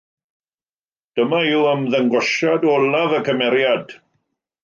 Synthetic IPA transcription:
d̥əmaɪwəmðəŋɡɔʃadɔlavəkʰəmɛɾjad

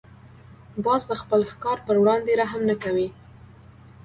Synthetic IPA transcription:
bɑzd̪əxpəlxkɑɾpəɾwɽɑnd̪eɾaɦamnakawi

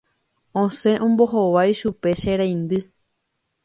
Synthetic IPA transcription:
õsẽ̞ʔõmbo̞ɦoʋajʃupe̞ʃeɾaj̃nd̪ɨ

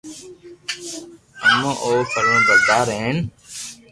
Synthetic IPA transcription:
ənõːʔoːpʰəɾõːb̪əɾd̪aːɾɦeːn

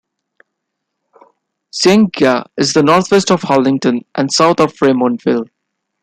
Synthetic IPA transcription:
sẽŋɡaɪzd̪ənɔːɾt̪ʰwɛsʈɔv̥hɔlɪ̃ŋʈə̃nʔæ̃ɳsaʊt̪ʰɔv̥fɾẽːmɔ̃nʈfɪl

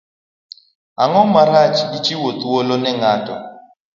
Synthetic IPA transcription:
aŋɔmaɾat͡ʃit͡ʃiwot̪wolɔnɛŋatʼɔ̰

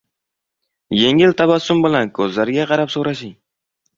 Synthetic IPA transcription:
je̞ŋɪlt̪ʰabasʊmbɪlankʰɵzlaɾɡʲaqʰɑɾapsoɾaʃɪŋ

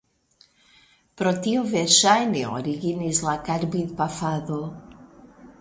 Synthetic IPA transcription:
pɾot̪ioveɾʃajneo̰ɾiɣinizlakaɾbiðpafaðo

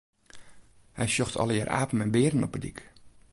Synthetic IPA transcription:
hɛjsjɔxtʰɔ̰lˠəjaːrʔa̰ːpəm̩ɛnbɪədən̩ɔpədik

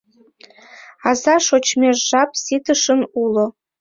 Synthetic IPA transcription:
azaʂot͡ʃʰmʲeʐːap̚ʰʼsitʰɨʂɨnulo

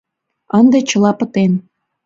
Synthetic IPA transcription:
ənd̪et͡ɕə̆lɑpə̆t̪en

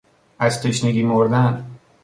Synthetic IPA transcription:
æzt̪ʰeʃneɡʲimoɾd̪æn

